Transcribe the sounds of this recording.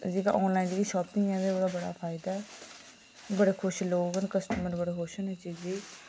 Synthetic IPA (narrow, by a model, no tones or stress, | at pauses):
d͡ʒeːka̰ːʔɔːnlaːɪnɡiːʃɔːpɪŋɛːd̪eːoːdaːbəɽa̰ːpʰaːɪd̪aɛ | bəɽeːkʰʊʃloːɡənkəsʈəməɾbəɽeːɦoʃənet͡ʃiːd͡ʒeː